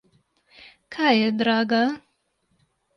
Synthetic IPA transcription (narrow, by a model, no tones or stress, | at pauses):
kʰajed̪ɾaːɡa